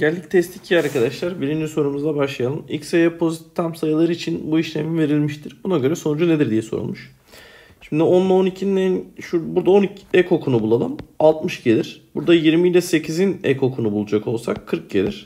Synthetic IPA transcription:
ɟ̥ælʲːict̪ʰɛst̪ʰicʰiaɾɾkad̪aʃlˠaɾbiɾimd͡ʒiso̞ɾumuzlˠabaʃlˠajalˠɯnḭcsejɛpʰo̞zit̪ʰːamsajɯlˠaɾɯit͡ʃʰinbuiʃlʲemive̞ɾilʲmiʃt̪ʰiɾ̥bunaɟø̞ɾɛso̞nud͡ʒune̞d̪iɾd̪ijɛsoɾṵlˠmuʃ | ʃimd̪ionlˠaonicʰinnɛnʃubuɾd̪aoniɛkʰo̞kʰunubulˠalˠɯmalˠt̪mɯʃɟe̞lʲiɾ̥buɾd̪ajiɾmiːlʲɛse̞cʰizinɛ̰ko̞kʰunubulˠud͡ʒako̞lˠsakʰːɯɾk̚ɟe̞lʲiɾ̥

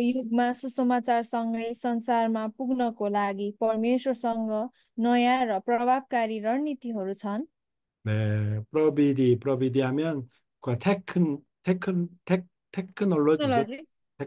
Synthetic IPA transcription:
juɡmasusʌmat͡sarsʌŋɡʌjsʌnsarmapuɡnʌkolaɡipʌrmeswʌrsʌŋɡʌ | nʌjaɾʌprʌbʱab̚kaɾiɾʌnit̪iɦʌɾut͡sʰʌn | nepɾʌbid̪ipɾʌbid̪iɦamjʌn | kuat̪ʰekʰːn | t̪ʰekʰːnt̪ʰek̚ | t̪ʰekʰːnʌloili | e

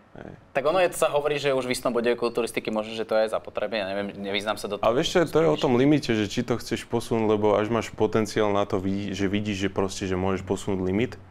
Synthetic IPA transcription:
ɦɛ̰jt̪aɡɔnɔjɛt̪ɔsaɦɔʋɔɾiːʒɛuʒʋist̪ɔmbɔɟɔʋɛkult̪uːɾist̪ikimɔʒnɔʒɛt̪ɔjɛzapɔt̪ɾɛbnɛjaɲɛʋɪɛmɲɛʋiznaːmsad̪ɔaɛʋɪɛʃtɛt̪ɔjɛɔt̪ɔmlimicɛʒɛt͡ʃit̪ɔxt͡sɛʃpɔsunuɟlɛbɔaʒmaːʃpɔt̪ɛnt͡siaːlnat̪ɔʋiʒɛʋiɟiːʒʒɛpɾɔscɛʒɛmʊɔʒɛʃpɔsunuːɟlimit̪

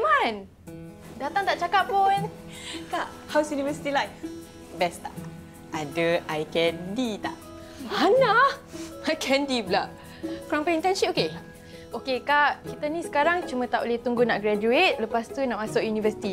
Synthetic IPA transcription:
man | dat̪aŋt̪aʔt͡ʃakap̚punkaʔ | hawsjunivəsi̥t̪ilajf | bɛst̪a̰ʔ | adəajkɛndit̪aʔ | ana | ajkʰɛndiblaʔ | kɾɔmpɛint̪ɛnʃipoke | ʔokekaʔkit̪anĩsə̥kaɾaŋt͡ʃumə̃t̪aʔoleht̪uŋɡunaʔɡɾad͡ʒuet̪̚ləpast̪unãʔmasɔʔjunivəsi̥t̪i

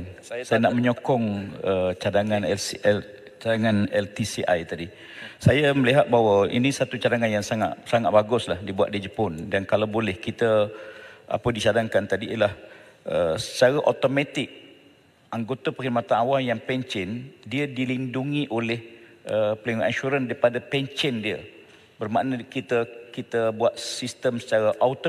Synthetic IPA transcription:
nsajanaʔməɲokɔŋət͡ʃadaŋanɛl | t͡ʃadaŋanɛlt̪isiʔajt̪adi | sajəməliɦat̪̚bawəḭnisat̪ut͡ʃadaŋanjaŋsaŋaʔ̪saŋat̪̚baɡʊslahdibuat̪̚did͡ʒəpɔndankalawbolɛhkit̪ə | ʔa̰pədisadaŋkant̪adiːəlah | əsə̥t͡ʃaɾaʔot̪omat̪ɪk̚ | aŋɡot̪apəkiɾmat̪anawamjaŋpɛɲt͡ʃɛndiədilinduŋiʔolɛh | ʔəplenŋɛnʃuɾəndaɾipadapɛɲt͡ʃəndiə̰ | bərmaʔnəkit̪əkit̪əbuat̪̚sist̪əmsə̥t͡ʃaɾaʔaut̪

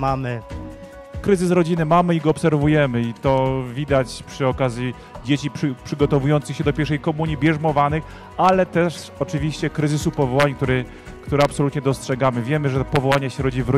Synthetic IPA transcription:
amɘ | kɾɘzɘsɾɔd͡ʑinɘmamɘiɡɔɔpsɛɾvujɛmɘit̪ɔvʲid̪at͡ɕpʂɘɔkazʲji | d͡ʑet͡ɕippʂɘɡɔt̪ɔvujɔnt̪sɘxɕɛd̪ɔpʲɛɾʂɛjkɔmuɲibʲjɛʐmɔvanɘx | alɛt̪ɛʂ | ɔt͡ʂɘvʲiɕt͡ɕɛkɾɘzɘsupɔvɔwaɲkt̪uɾɘ | kt̪uɾɛapsɔlut̪ɲɛd̪ɔstʂɛɡamɘvʲjɛmɘʐɛpɔvɔwaɲaɕɛɾɔd͡ʑivɾ

